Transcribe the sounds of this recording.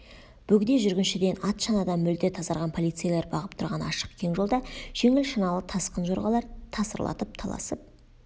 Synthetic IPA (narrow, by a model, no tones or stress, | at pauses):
b̥ɵɡd̪e̞ʒʏɾɡʲɪnʃɪd̪e̞nɑt̪ʃɑnɑd̪ɑmʏld̪et̪ʰɑzɑɾʁɑnpʰo̞lˠijt̪sɨijalʲe̞ɾbɑʁəp̚t̪ʰʊɾʁɑnɑ̰ʃə̥qkʲʰe̞ŋʒold̪ɑʒ̥e̞ŋɪlʃɑnɑlˠət̪ʰɑsqənʒo̞ɾʁɑlˠɑɾt̪ʰɑsəɾlˠʔɑ̰t̪əp̚t̪ʰɑlˠɑ̰səp̚